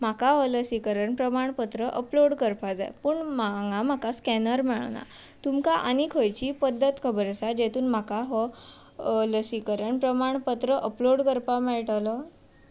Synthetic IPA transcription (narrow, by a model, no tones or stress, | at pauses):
m̤akaɦɔləsikəɾəɳpɾəmaɳpət̪ɾəʔəploɽkəɾpad͡za̰jpəɳmaŋɡam̤akaskɛnəɾmɛɭ̰na̰t̪umkaʔa̰nikʰojt͡ɕiːpəd̪ʱːət̪kʰəbəɾəsad͡ʑet̪ʰuːnm̤akaɦɔ | ləsikəɾəɳpɾəmaɳpət̪ɾəʔəploɽkəɾpamɛɭʈalɔ